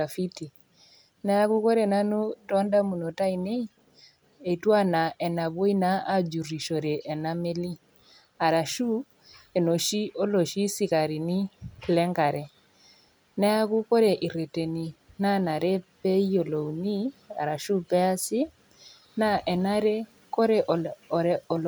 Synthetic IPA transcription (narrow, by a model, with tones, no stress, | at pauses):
a˨fi˦ti˨ | na˦ja˦ku˦ko˦ɾɛ˨na˦nu˦tɔ˦nda˦mu˨no˨ta˦ine˦i˦ | e˨twa˦na˨ʔɛ˨na˨βo˦i˦na˦a˦d͡ʒu˨ri˨ʃɔ˨ɾɛ˨ʔːna˦me˦li˦ | a˨ɾa˨ʃu˦ | e˨no˨ʃi˦ʔo˦lo˨ʃi˦si˨ka˨ɾi˨ni˦lɛ˦ŋɡa˨ɾɛ˨ | nɛ˦a˦ku˦ko˦ɾe˨ʔi˨ɾe˨te˨ni˨na˦na˨ɾe˦pɛ˦i˦o˨lo˨u˨ni˦a̰˨ɾa˨ʃu˦pɛ˦a˦si˦ | na˦ʔɛ˨na˦ɾe˦ | ko˦ɾɛ˦ʔɔ˨ɾɔ˨l